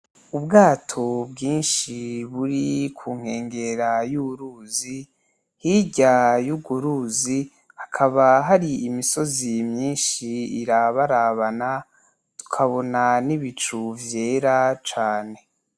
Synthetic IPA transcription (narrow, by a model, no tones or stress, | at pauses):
ubɡaːtʰo̞bɡiːnʃiβuɾikʰuːŋ̥he̞ːŋɡe̞ɾajuβuɾuːzi | hiɟajuɡuɾuzi | hakʰaβaɦaɾiimiso̞zimɲiːnʃiiɾaβaɾaβana | tu̥kʰaβo̞naniβit͡ʃuvje̞ɾat͡ʃaːne̞